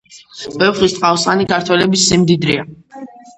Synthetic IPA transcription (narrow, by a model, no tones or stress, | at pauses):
b̥ɛvχlist̪ʼqʼawsχanikʰaɾt̪ʰwɛlɛbisːimd̪id̪ɾia